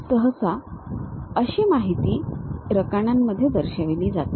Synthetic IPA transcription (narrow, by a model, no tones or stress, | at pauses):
səɦəsa | əɕemaɦit̪iːɾəkaɳ̃jamːəd̪ʱːjed̪əɾɕəʋiliːd͡za̰t̪